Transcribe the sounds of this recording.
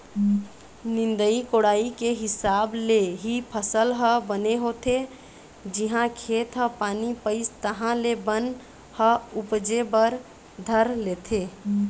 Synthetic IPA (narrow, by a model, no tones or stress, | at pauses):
nɪ̃nd̪əikoːɽaːikeɦɪsaːbleɦipʰəsəlɦəbəneɦoːt̪ʰe | d͡ʒɪɦãkʰeːt̪ɦəpaːnipəɪst̪əɦãlebən | həʊpd͡ʒebəɾ | d̪ʱəɾleːt̪ʰeː